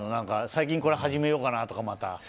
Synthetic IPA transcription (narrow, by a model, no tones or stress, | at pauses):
nonãŋkasaik̬ʲĩŋko̞ɾehaʑime̞jo̞ːkanat̪o̞kamat̪a̰